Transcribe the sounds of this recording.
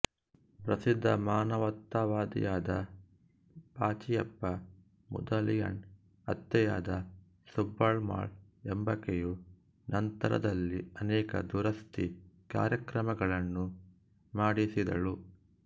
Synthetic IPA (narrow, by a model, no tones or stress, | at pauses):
pɾɐsid̪ʱːɐmaːnɐʋɐt̪ːaʋaːd̪ḭjaːd̪ɐ | paːt͡ʃijɐpːɐ | mṵd̪ɐlijɐ̰n | ɐt̪ːɐjaːd̪ɐ | subːɐɭma̰ːɭ | embɐkeju | nɐnt̪ɐɾɐ̰d̪ɐlːiɐnɛːkɐ̰d̪uɾɐst̪ika̰ːɾjɐkɾɐmɐɡɐɭɐnːu | maːɽisid̪ɐ̰ɭu